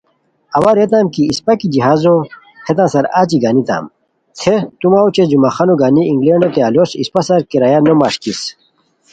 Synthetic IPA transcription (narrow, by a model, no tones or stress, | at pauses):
ɐwaɾet̪aːmkiːspɐkid͡ʑiɦaːzo | het̪ãːsɐɾaːt͡ɕiɡaːnit̪a̰ːm | t̪ʰet̪umawt͡ɕed͡ʑumaxanoɡaːniiŋɡleɳɖot̪ealosḭspasɐɾkeɾajanoma̰ʂkis